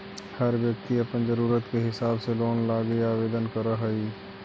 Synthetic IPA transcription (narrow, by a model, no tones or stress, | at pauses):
hɐɾʋjək̚t̪iɐpənd͡ʒəɾuːɾət̪keɦɪsaːbseloːnlaːɡeaːʋeːd̪ənkɐɾəɦəiː